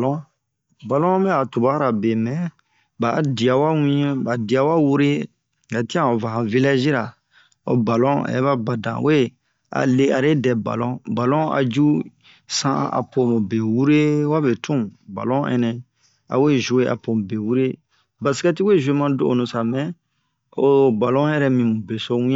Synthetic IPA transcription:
lɔ̃˦ | ba˨lɔ̃˦mɛ˦a˨tu˨ba˦ɾa˨be˨mɛ̃˨ | ba˨˦di˨a˨wa˦wĩ˦ɛ̃˦ba˨di˨a˨wa˦wu˦ɾe˦ | ɡa˨ti˦ã˦ɔ˨va˨hã˨vi˦la˦ʒi˦ɾa˨ | ɔ̰˨ba˨lɔ̃˦a̰˨jɛ˦ba˦ba˨dã̰˨wʔe˦˨ | a̰˨le˦a˨ɾe˦dɛ˨ba̰˨lɔ̃˦ba˨lɔ̃˦a̰˨d͡ʒu˦ | sã̰˦a̰˨po˨mũ˨be˨wu˦ɾe˦wa˦be˨tʰũ˦ba̰˨lɔ̃˦ɛ̰̃˦nɛ̃˨ | a̰˨we˦ʒu˨e˦ʔa̰˨po˨m˨be˨wu˦ɾe˦ | ba˨si̥˦kɛ˦ti˦we˦˨ʒu˦e˦mã˦do˨o˨nũ˨sa˨mɛ̃˦ | o˨ba˨lɔ̃˦ɛ˦ɾɛ˦mĩ˨mũ˨be˨so˦wĩ˦ã˦

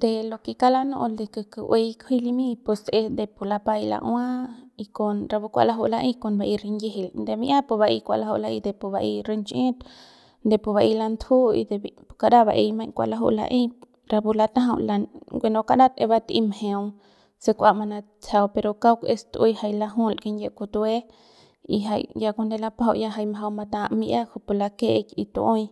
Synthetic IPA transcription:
d̪e˧lo˧ki˧ka˦la˦no̰˧ʔld̪e˧kɨ˧kɨ˨ʔwe˧jkʰi˦li˧mĩ˦˧pu˧se˧d̪e˧˨pu˧˨la˧pa˧jla̰˧ʔw̃a˦i˧ko˧nɾa˧bu˧kʷa̰˧la˧ɦu˧la˧ʔĩ˦ko˧nba˧ʔi˧ɾi˧nji˦ɦi˧lnd̪e˧mi˧ʔa˦pu˧βa˧ʔi˧kʷa̰˧ʔla˧ɦu˧la˧i˧d̪e˨pu˧βa˧ʔi˧ɾe˧nt͡ʃẽ˦t̪ | nd̪e˧˨pu˧βa˧i˧la˧nt̪ʰu˦ḭ˧d̪e˧pu̥˧ka˧ɾa˦βba˧ʔi˧jmã˧jkʷa̰˧ʔla˧ɦṵ˧ʔla̰˧ʔĩ˦ | ɾa˧pu˧la˧t̪ã˦ɦa˧la˧nɡʷe˧nõ˧ka˧ʔɾã˦t̪ḛ̃˧βa˧t̪ḭ˧mhẽ˧w | se˧kʷa˧ʔma˧nã˧ | t͡sa˧wpe˧ɾo˧ka˦wkʷe˧st̪ʔi˧˦ha˧jla˧ɦũ˦˨lki˧nje˧ku˧t̪u˧e˦ | ḭ˧ɦa˧jja˧ko˧nd̪e˧la˧pɦa̰˧ʔja˧ɦa˧jmɦa˧wma˧t̪ã˧ʔmi˧ʔa˦ku˧pu˧la˧ke˦ʔki˧t̪ṵ˧ʔõ˦j

